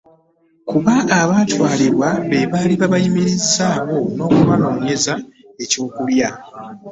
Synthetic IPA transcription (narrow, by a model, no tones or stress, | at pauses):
kuβaʔːβaːtwaːliɾwaβe̞βaːliβaβajimiɾizaːβo̞no̞ːkuβaloːɲe̞za | e̞co̞ːkulja